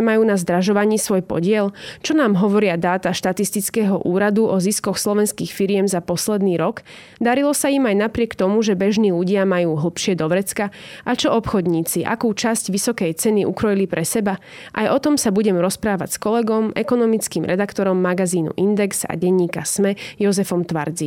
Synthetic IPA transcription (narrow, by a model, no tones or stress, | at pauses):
majuːnazd̪ɾaʒɔʋaɲiːsʋɔjpɔ̰ɟɪɛlt͡ʃɔnaːmɦɔʋɔɾɪad̪aːt̪aʃt̪at̪ist̪it͡skɛɦɔʔuːɾad̪uʔɔziskɔxslɔʋɛnskiːxfiɾɪɛmzapɔslɛd̪niːɾɔɡ | d̪aɾilɔsaimajnapɾɪɛkt̪ɔmuʒɛbɛʒniːluɟɪamajuːɦl̩ˠpʃɪɛd̪ɔʋɾɛt͡skaʔat͡ʃɔɔpxɔd̪ɲiːt͡siʔa̰kuːt͡ʃasɟʋisɔkɛjt͡sɛniʔukɾɔjilipɾɛsɛba | ʔajɔt̪ɔmsabuɟɛmɾɔspɾaːʋa̰cskɔlɛɡɔmɛkɔnɔmit͡skiːmɾɛd̪akt̪ɔɾɔmːaɡaziːnṵʔind̪ɛksa̰ɟɛɲːiːkasmɛjɔzɛfɔmt̪ʋa̰ɾd͡zi